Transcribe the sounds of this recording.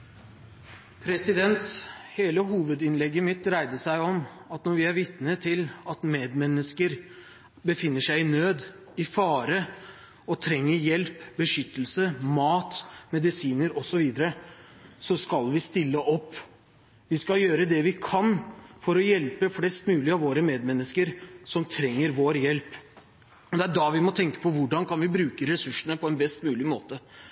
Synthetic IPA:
pʰɾɛsɪd̪ɛnt̪heːləɦuːʋəd̪ɪnlɛɡːəmɪt̪ːɾæɪd̪əʂæɪɔmɑt̪nɔɾʋɪæɾʋɪt̪nət̪ʰɪlɑt̪meːd̪mɛnːəskəɾ | bəfɪnːəʂæɪɪnøːd̪ | ɪfɑːɾə | ɔt̪ʰɾɛŋːəɾjɛlpbəʂʏt̪ːəl̩səmɑːt̪mɛd̪ɪsiːnəɾɔsɔʋiːd̪əɾəsɔskɑlʋɪst̪ɪlːəʔɔpː | ʋɪskɑljøːɾəd̪ɛʋɪkʰɑnfɔɾɔjɛlpəflɛst̪mʉːlɪəɑʋoːɾəmeːd̪mɛnːəskəɾsɔmt̪ʰɾɛŋːəɾʋoːɾjɛlp | ɔd̪ɛæɖɑʋɪmɔt̪ʰɛŋkə̥pʰɔʋʊɖɑnkɑnʋɪbɾʉːkəɾɛsʉʂəɳəpʰɔɛnbɛst̪mʉːlɪmoːt̪ə

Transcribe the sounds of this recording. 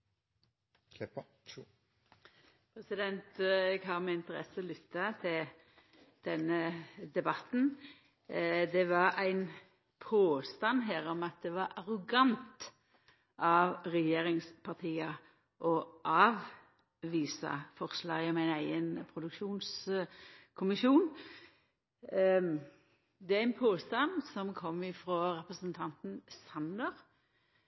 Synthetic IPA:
pʰɾɛsɪd̪ɛnt̪ɛɡɦɑʁmɛɪnt̪əɾɛ̰sːəɔlʏt̪ːɑt̪ʰɪl | d̪̥ɛnːəd̪ɛbɑt̪ːn̩ | d̪ɛʋɑɾæɪn | pʰoːst̪ɑnːɦæːɾɔmɑt̪̚d̪ɛʋɑɾʔɑʁʊɡɑnt̪ | ʔɑʋʁɛjeːɾɪŋspʰɑʁt̪ʰiːə | ʔɔʔɑːʋ | ʋiːsɑ̰fɔʁslɑːɡɔmæɪnæɪɡənpʰɾʊd̪ʉkʃuːns | kʰʊmɪʃuːn | d̪ɛæɪnpʰoːst̪ɑnsɔmkʰɔmːɪfɾoːɾɛpʁəsənt̪ʰɑnt̪n̩sɑnd̪əɾ

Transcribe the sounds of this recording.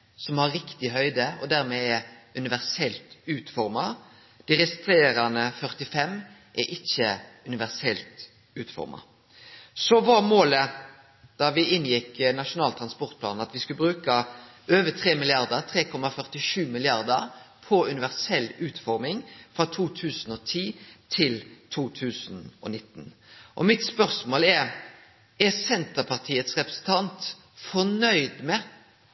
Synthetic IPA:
sɔmhɑɾːɪkt̪ɪɦœʏd̪əɔ̰d̪æɾmɛɛʉnɪʋæʁsɛlt̪ʉːt̪fɔɾmɑ | d̪̥ɪɾɛst̪ɾeːɾɑnəfœʁt̪ɪfɛm | ʔɛʔɪçːəʉnɪʋæʁsɛlt̪ | ʉːt̪fɔ̰ɾmɑ̰ | sɔʋɑmoːlə | d̪̥ɑʋɪɪnjɪknɑʂʊnɑːlt̪ʰɾɑnspɔʁt̪̚pʰlɑːnɑt̪ʋɪskʉbɾʉːkɑ | øːʋət̪ʰɾeːmɪlɪɑʁd̪əɾt̪ʰɾeːkʰɔmɑfœʁt̪ɪʂʉːmɪlɪɑʁd̪əɾpʰɔʉnɪʋæʁsɛlːʉːt̪fɔɾmɪŋfɾɑt̪ʰuːt̪ʰʉːsn̩ɔt̪ʰiːt̪ʰɪlt̪ʰuːt̪ʰʉːsnɔ̰nɪt̪ːn | ʔɔ̰mɪt̪spœʁsmoːlɛɾ | ɛsɛnt̪əɾpʰɑʁt̪ʰiːət̪sʁɛpɾɛsn̩t̪ʰɑnt̪ | fɔʁnœʏd̪mɛ

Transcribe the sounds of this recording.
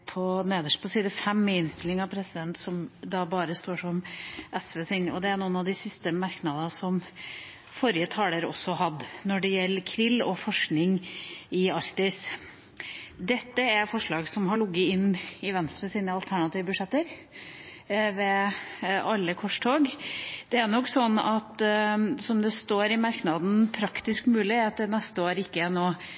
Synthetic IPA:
pʰɔneːd̪əʂpʰɔsiːd̪əfɛmːɛɪnst̪ɪlɪŋɑpʰɾɛsɪd̪ɛnt̪sɔmd̪ɑbɑːɾəst̪oːʂɔmʔɛsʋeːsɛnɔd̪ɛæɾnuːənɑʋd̪ɪsɪst̪əmɑɾknɑd̪əsɔm | fɔɾjət̪ʰɑːləɾɔ̰sːɔɦɑd̪ːnɔɖɛjɛlːəkʰɾɪlːɔfɔʂknɪŋɪɑɾkt̪ɪs | d̪ɛt̪ːəæɾfɔʂɭɑːɡsɔmhɑɭʊɡːəɪnːɪʋɛnst̪ɾəsiːnəɑlt̪ʰæɳɑt̪iːʋəbʉʂɛt̪ːəɾ | ʋɛ | ʔɑlːəkʰɔʂʈ̪ʰoːɡd̪̥ɛænɔkːsɔnːɑt̪sɔmd̪ɛst̪oːɾɪmɑɾknɑd̪n̩pʰɾɑkt̪ɪskmʉːlɪːt̪ːəɾnɛst̪əoːɾəɪkːəɛnoː

